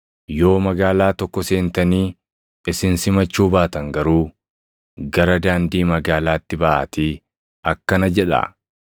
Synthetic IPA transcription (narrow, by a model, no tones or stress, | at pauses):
jo̞ːmɐɡaːlaːt̪ɔkːɔse̞ːnt̪ɐniː | ɪsɪnsɪmɐt͡ʃːuːbaːt̪ɐŋɡɐɾuː | ɡɐɾɐd̪aːnd̪iːmɐɡaːlaːt̪ːɪbɐʔa̰ːt̪iː | ɐkːɐnɐd͡ʒɛᶑɐ̰